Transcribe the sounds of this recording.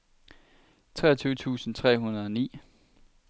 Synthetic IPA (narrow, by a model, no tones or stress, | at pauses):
t͡sʰʁɛːɐt͡sʰyːʊət͡sʰṵːsn̩t͡sʰʁɛ̰ːɦunɐðˠɒnḭː